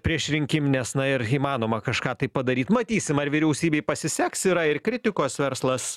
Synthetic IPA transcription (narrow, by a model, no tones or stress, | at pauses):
pʲɾʲiɛʃɾʲɪŋʲkʲɪmnʲɛsnɐɪɾiːmɑːnoːmɐkɐʃkɑːt̪ɐɪppɐd̪ɐɾʲiːt̪mɐt̪ʲiːsʲɪmɐɾʋʲɪɾʲɛʊsʲiːbʲeɪpɐsʲɪsʲɛksiɾɐɪrkɾʲɪt̪ʲɪkoːsʋʲɛɾslˠɐs